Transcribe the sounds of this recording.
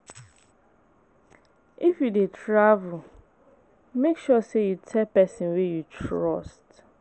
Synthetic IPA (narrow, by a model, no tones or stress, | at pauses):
ifjudetʰɹavul | mekʃuɔsejutʰɛlpɛsĩnwejutʰɹɔst